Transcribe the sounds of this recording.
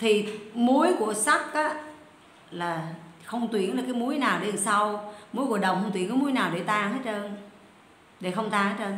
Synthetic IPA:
t̪ʰi˨˩mu˨˦əjku˧˩əsa˦˥k̚ʔaː˧˦ | laː˨˩xə˧wŋ͡mt̪wi˧˩ənlaː˨˩kaː˨˦jmu˨˦əjnaː˨˩wɗe˧˨˩sa˧wmu˨˦əjku˧˩əɗə˨˩wŋ͡mxə˧ŋ͡mt̪wi˧˩ənkɔ˧˦mu˨˦jnaː˨˩wɗḛ˧˩t̪aː˧˩ŋhəː˦˥t̚əː˧n | ɗe˧˩xə˧wŋ͡mt̪aː˧ŋhəː˧˦˥jəː˧n

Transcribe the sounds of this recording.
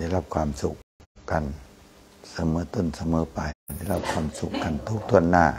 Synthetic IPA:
a˧˩˨jla˧˩p̚kʰwaː˧˥msu˧˦k̚ka˨n | sa˧mɤː˨˦t̪o˧˥˨nsa˧mɤː˨˦pa˨da˧˩˨la˧˩p̚kʰwaː˧˥msu˧˦kːa˨˩nt̪ʰu˦˥k̚t̪ʰu˧˥˩ənːaː˧˩

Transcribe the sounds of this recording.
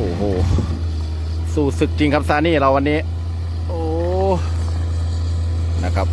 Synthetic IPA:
ʔoː˨˩ɦoː˨˩ | suː˨˩sɯ˨˩k̚t͡ɕi˧ŋkʰa˦˥p̚saː˨˧˥niː˥˩ɾa˧wa˧nːiː˦˥ | ʔoː˧˩ | na˦˥kʰa˦˥p̚

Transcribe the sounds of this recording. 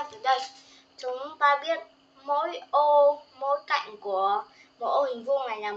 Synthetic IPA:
vəː˨˩˦ɗə˧j | t͡ɕʊ˨˦ŋ͡mt̪aː˧ɓi˦˥ət̚ | mo̰˧˥jʔo˧mo̰˧˥jka̰˧˨jŋ̟ku˧˩ə | mo̰˧˥˦ʔo˧hï˨˩ŋ̟vu˧ŋa˨˩jlaː˨˩

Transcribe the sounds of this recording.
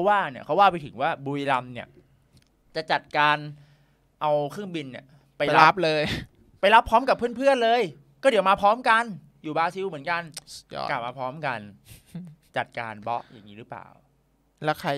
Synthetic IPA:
pʰwaː˥˩ni˥˩ɐkʰa˦˥waː˥˩pa˧jt̪ʰɯ˩˦ŋwaː˥˩bu˧jla˧mni˥˩ɐ | t͡ɕa˨˩t͡ɕa˨˩t̪̚kaː˧n | ʔa˧wkʰɯ˥˩ŋbi˧nːi˧˩ | pa˧jlp̚lɤː˧j | pa˧jla˦˥pʰːɔː˦˥mka˨˩pʰːɯ˥˩ənpʰɯ˥˩ənlɤː˧j | kɔː˥˩di˩˦wmaː˧pʰɔː˦˥mka˧n | juː˨˩baː˧si˧wmɯ˩˦ənka˧nkla˨˩p̚maː˧pʰɔː˦˥mka˧n | t͡ɕa˨˩t̪̚ka̰ː˧nbɔ˦˥ʔja̰˨˩ŋːiː˦˥ɾɯː˦˥pla̰ː˨˩w | lɛ˦˥kʰa˧

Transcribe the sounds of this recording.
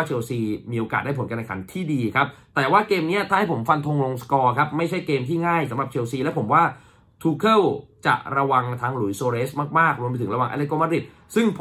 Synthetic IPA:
aː˥˩t͡ɕʰeː˧wsiː˧miː˧ʔoː˧kaː˨˩da˥˩pʰo˩˦nka˧na˧˩kʰa̰˩˦nt̪ʰiː˥˩diː˧kʰa˦˥p̚t̪ɛː˨˩waː˥˩keː˧mni˦˥ɐt̪ʰaː˥˩ha˥˩jpʰo˩˦mfa˧nt̪ʰo˧ŋlo˧ŋskɔː˧kʰa˦˥p̚ma˥˩jt͡ɕʰa˥˩jkeː˧mt̪ʰiː˥˩ŋaː˥˩jsa˨˦mɾa˨˩t͡ɕʰe˧wsiː˧lɛ˦˥pʰo˩˦mwaː˥˩ | t̪ʰuː˧kʰɤ˥˩wt͡ɕa̰˨˩ʔɾa˧wa˧ŋt̪ʰaː˧˥ŋlu˨˩˦jsoː˧ɾeː˦˥smaː˥˩k̚maː˥˩k̚ɾu˧mpt̪ʰɯ˩˦ɾa˧waː˨ŋʔa̰˧˥le˦t̪̚ko˧˥ma˦˥ɾi˨˩t̪̚ | sɯ˥˩ŋpʰ

